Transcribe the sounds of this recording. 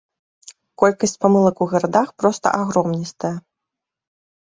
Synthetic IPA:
kɔlʲkɐsʲt͡sʲpamɨlˠɐkuɣɐɾad̪axpɾɔst̪ɐ̰ʔaɣɾɔmnʲist̪ɐjɐ

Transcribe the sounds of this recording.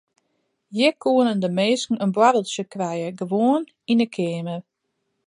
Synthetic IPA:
jɪkʰuənəndəmeːskŋ̩ənbwaɾəl̩ˠsjəkrɛjəɡəʋoən | inəkʰɪːmər

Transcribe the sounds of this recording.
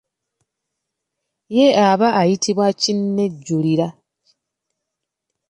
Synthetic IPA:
jeaβaʔːjitʰiβwacinːe̞ɟːuliɾa

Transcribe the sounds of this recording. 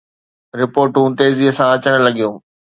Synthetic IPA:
ɾɪpoːɾʈũt̪eːziəsãɐt͡ɕəɽ̃̆lɐɠijũː

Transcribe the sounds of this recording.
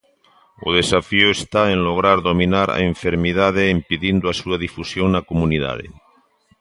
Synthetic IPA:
o̰ð̞esafioest̪aenloɣ̞ɾaɾðominaɾa̰eɱfeɾmiðað̞eːmpiðind̪oasuaðifusjoŋnakomuniða̰ð̞ḛ

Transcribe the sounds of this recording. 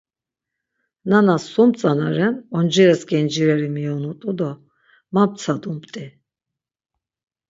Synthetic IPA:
nanasumt͡sʼanaɾɛnɔnd͡ʒiɾɛsɡɛnd͡ʒiɾɛɾimiɔnut̪ʼud̪ɔ | map̚t̪t͡sʰad̪umpt̪ʼi

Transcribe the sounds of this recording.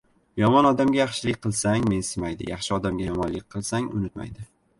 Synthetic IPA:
jɒmɒnɒd̪amɡʲajɑχʃɪlɪk̚ʲqʰɨlˠsaŋme̞nsɪmajd̪ɪ̰jɑχʃɪɒd̪amɡʲajɒmɒnlɪk̚ʲqʰɨlˠsaŋʊ̰nɪt̪ma̰jd̪ɪ

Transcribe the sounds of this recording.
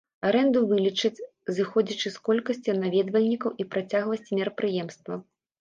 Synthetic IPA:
aɾɛnd̪uvɨlʲit͡ʂɨt͡sʲ | zɨxɔd͡zʲit͡ʂɨskɔlʲkɐsʲt͡sʲinavʲɛd̪vɐlʲnʲikɐwipɾat͡sʲaɣlˠɐsʲt͡sʲimʲɛɾɐpɾɨjɛmst̪vɐ

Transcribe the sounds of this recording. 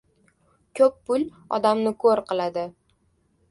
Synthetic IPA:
kʲʰɵpːʊl | ɒ̰d̪amnɪkʰoɾqɨlˠad̪ɪ

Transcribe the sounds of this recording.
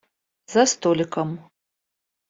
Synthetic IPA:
zast̪ʰʼolʲɪkʼɐm

